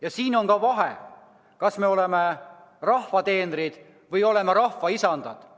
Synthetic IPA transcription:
jɑsiːno̞ŋkɑvɑɦe | kɑsme̞o̞leme | rɑhvɑt̪e̞ːnɾid̪̥ | vɯjo̞le̞meɾɑhvɑisɑnd̪̥ɑd̪̥

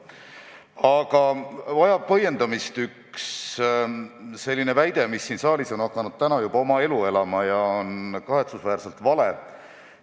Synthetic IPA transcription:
ɑɡ̥ɑvɑjɑb̥̚pɤje̞nd̪̥ɑmist̪yks | se̞lʲːine̞væjd̪̥e̞misːiːnsɑːliso̞nɑkːˑɑnud̪̥̚t̪ænɑjub̥ɑo̞mɑe̞lue̞lɑmɑjɑonkɑɦe̞t̪susvæːɾse̞lt̪vɑle̞

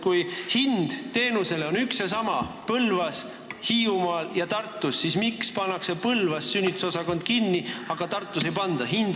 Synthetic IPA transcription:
kujhind̪̥t̪e̞ːnuse̞le̞o̞nyksjɑsɑmɑpɤlvɑs | hiːumɑːljɑt̪ɑrt̪ːˑusːismikspɑnːɑkse̞pɤlvɑssynʲːit̪u̥sosɑko̞nd̪̥̚kinːiɑɡ̥ɑt̪ɑrt̪ːˑuse̞jpɑnd̪̥ɑɦind̪̥

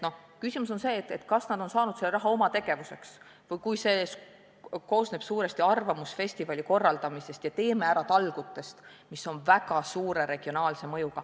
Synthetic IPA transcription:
no̞h | kysimus̬o̞nse̞ːt̪ːˑet̪kɑsnɑd̪̥o̞nsɑːnud̪selːeɾɑɦɑo̞mɑt̪e̞ɡ̥e̞vuse̞ks | vɤjkujse̞ː | ko̞ːsneb̥suːɾe̞st̪iɑrvɑmusfe̞sʲt̪ivɑlʲiko̞rːɑld̪ɑmise̞st̪jɑt̪e̞ːmeæɾɑt̪ɑlɡ̥ut̪ːˑe̞st̪ | miso̞nvæɡ̥ɑsuːɾe̞ɾe̞ɡ̥io̞nɑːlse̞mɤ̞juɡ̥ɑ

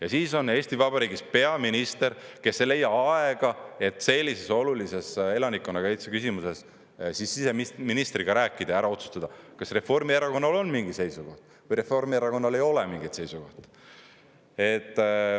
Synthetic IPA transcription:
jɑsiːso̞ne̞ːsʲt̪ivɑbɑɾiːɡispe̞ɑminist̪e̞ɾke̞sːele̞jːɑɑeɡ̥ɑe̞t̪ːˑse̞lʲːise̞so̞lulise̞se̞lɑnikːˑo̞nːɑɡ̥ɑet̪sekysimuse̞s | sisːise̞miminist̪riɡ̥ɑɾæːkːˑid̪̥ɑæɾɑo̞t̪su̥st̪ɑd̪̥ɑkɑsre̞fo̞rmieɾɑko̞nːɑlo̞nmiŋɡise̞jsuɡ̥o̞ht̪ | vɯjɾe̞fo̞rmieɾɑko̞nːɑle̞jo̞lɛmiŋɡit̪se̞jsuɡ̥o̞̰ht̪ | e̞t̪ːˑ

